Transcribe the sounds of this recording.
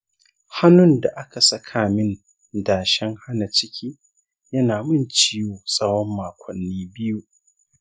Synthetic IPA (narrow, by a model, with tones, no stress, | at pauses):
ha˦nʊ˦˨nda˨ʔa˦ka˨sɐ˦kʰaː˨mɪ˦n | daː˨ʃɛ˦ŋha˦na˨t͡ʃɪ˦kʲʰiː˦ | jɐ˦naː˨mɨ˦˨nt͡ʃiː˦joː˨sʼɐ˦wɔ˦mːaː˨kʷɐ˨nːiː˦bɪ˦ju˦